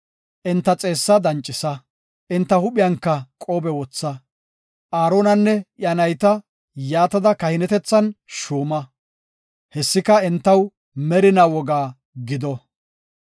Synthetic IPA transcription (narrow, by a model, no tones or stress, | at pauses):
ʔɪnt̪ːɐt͡sʼe̞ːsːɐd̪ɐnt͡ʃʼːɪsɐ | ʔɪnt̪ːɐhʊɓɪjɐŋkːɐkʼoːbɛwɔt͡sːɐ | ʔaːɾoːnɐnːɛʔjɐnɐjt̪ɐ | jaːt̪ɐd̪ɐkɐhɪnɛt̪ɛt͡sːɐnʃuːmɐ | hɛsːɪkɐɪnt̪ːɐw | mɛɾɪnawɔɡaː | ɡɪd̪ɔ